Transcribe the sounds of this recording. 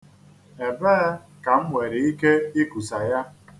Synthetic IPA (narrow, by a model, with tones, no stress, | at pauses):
e˨beː˦ | ka˨m̩˦ŋʷe˨ɾi˨i˦ke˦i˦ku˨sa˨ja˦